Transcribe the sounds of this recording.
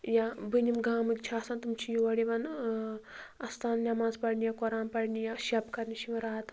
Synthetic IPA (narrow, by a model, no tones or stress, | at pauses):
jabɨnimɡaːmɨkt͡ʃʰaːsant̪umt͡ʃʰijuʋɐɽiʋɐn | ɐst̪ʰaːnnʲamaːzpɐɽnʲijakoɾaːnpɐɽnijaʃɐpkɐɾniʃimɐɾaːt̪